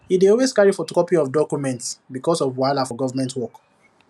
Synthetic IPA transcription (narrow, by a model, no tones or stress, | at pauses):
hideɔlweskaɹifɔtɾɔpiɔvdɔkjumɛ̃ntsbikɔsɔvwaɪlafɔɡɔvəmɛ̃ntwɔk